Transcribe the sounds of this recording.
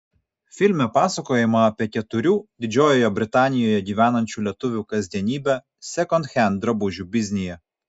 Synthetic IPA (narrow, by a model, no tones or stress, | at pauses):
fʲɪlʲmʲɛpɑːsɐkoːjɪmɐɐpʲiɛkʲɛt̪ʊɾʲuːd̪ʲɪd͡ʒʲoːjoːjɛbʲɾʲɪt̪ɑːnʲɪjoːjɛɡʲiːʋʲæːnɐnʲt͡ʃʲuːlʲɛt̪ʊʋʲuːkɐzʲd̪ʲiɛnʲiːbʲɛ | sʲɛkɔnt̪xʲɛnd̪ɾɐbʊʒʲubʲɪzʲnʲɪjɛ